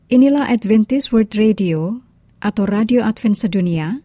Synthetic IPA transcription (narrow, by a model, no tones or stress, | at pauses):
ʔinilahʔad̪vɛnt̪ɪswərd̪redio | ʔat̪awradioʔat̪fɛnsedonia